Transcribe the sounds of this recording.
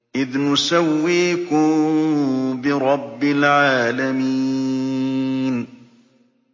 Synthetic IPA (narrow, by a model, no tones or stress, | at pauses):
ʔɪðnʊsawːiːkʊm | bɪɾˤɑbːɪlʕaːlamiː | n